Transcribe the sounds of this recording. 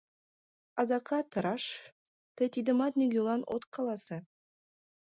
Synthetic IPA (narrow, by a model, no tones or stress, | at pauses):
ɑd̪ɑkɑt̪ːɤɾɑʂ | t̪ĕt̪ʲid̪ə̆mɑt̪nʲiɡʲulˠɑnʔo̰t̪kɑlˠɑsɤ